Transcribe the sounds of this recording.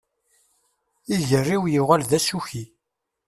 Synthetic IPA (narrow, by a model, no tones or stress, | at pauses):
iʝərːiwjuʁælðæsuçi